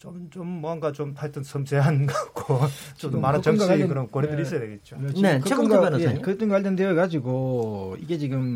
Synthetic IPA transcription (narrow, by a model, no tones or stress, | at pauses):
t͡ɕomt͡ɕomːwʌŋɡat͡ɕomtʰaɭt͈ɯnsʰʌmseɦanɡaɡ̥ot͡ɕomaɾɯt͡ɕʌmeɡikɯɾʌnkwʌɾedɯɾis͈ʌjadwe̞ɡe̞t̚t͡ɕ͈oɯɾnet͡ɕɯeɡoaenojsʰaɲimkɯt͈ɯŋɡaaɭt͈ʰendeʌɡad͡ʑiɡoiɡe̞t͡ɕiɡɯm